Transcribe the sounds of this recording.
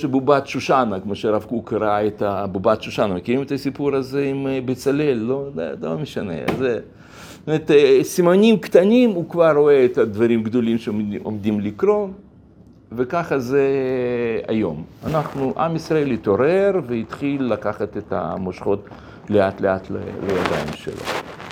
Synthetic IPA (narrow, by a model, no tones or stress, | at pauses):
ʃebubat̪ʃuʃanakmoʃeɾavkukaɾaet̪abubat̪ʃuʃanɐmekiɾimet̪asʲipuɾazeimbet͡salelːo̰zelomeʃanḛze | t̪omeɾt̪sʲimanʲimkt̪anʲimukvarːoeet̪ad̪vaɾimɡd̪olʲimʃeomd̪imlikɾo̞n | vekaχɐze | a̰jo̞ma̰naχnuʔa̰misɾɐe̞lit̪oɾeɾveit̪χilːakaχat̪et̪ɐ̰moʃχo̞t̪ | leat̪leat̪lḛlejad̪a̰jimʃḛlo̰